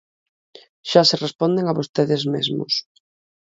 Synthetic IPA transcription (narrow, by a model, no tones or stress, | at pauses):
ʃaserespɔnd̪eŋaβost̪eðezmezmʊ̰s